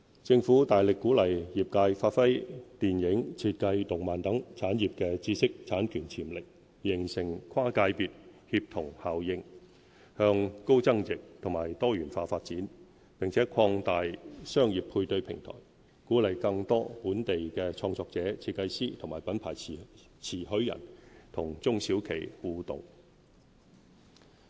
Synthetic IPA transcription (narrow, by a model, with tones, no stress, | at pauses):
t͡sɪ˧ŋfuː˨˥t̪aː˨jlɪ˨kːuː˨˥lɐ˨˩jjiː˨˩p̚kaː˧jfaː˧t̚fɐ˥jt̪iː˨˩njɪ˨˥ŋt͡sʰiː˧t̚kɐ˧jt̪ʊ˨˩ŋmaː˨˩nt̪ɐ˨˥ŋt͡sʰaː˨˥njiː˨p̚kɛː˧t͡siː˥sɪ˥k̚t͡sʰaː˨˥nkʰyː˨˩nt͡sʰiː˨˩mlɪ˨k̚ | jɪ˨˩ŋsɪ˨˩ŋkʰwaː˥kaː˧jpiː˧t̚hiː˧p̚t̪ʰʊ˨˩ŋhaː˨wjɪ˧ŋ | hœː˧ŋko˥wt͡sɐ˥ŋjɪ˨k̚t̪ʰʊ˨˩ŋmaː˨˩jt̪ɔː˥jyː˨˩nfaː˧faː˧t̚t͡siː˨˥n | pɪ˨ŋt͡sʰɛː˨˥kʰɔː˧ŋt̪aː˨jsœː˥ŋjiː˨˩pʰːuː˧jt̪ɵ˧ɥpʰɪ̰˨˩ŋt̪ʰɔ̰ː˨˩j | kuː˨˥lɐ˨jkɐ˧ŋt̪ɔː˥puː˨˥nt̪e˨jkɛː˧t͡ʃʰɔː˧ŋt͡sɔː˧k̚t͡sɛː˨˥t͡sʰiː˧t̚kːɐ˧jsiː˥t̪ʰʊ˨˩ŋmaː˨˩jpɐ˨˥npʰaː˨˩j | t͡sʰiː˨˩ɦɵ˨˥ɥjɐ̰˨˩nt̪ʰʊ˨˩ŋt͡sʊ˥ŋsiː˨˥wkʰe˨˩jhuː˨˧t̪ʊ̰˨ŋ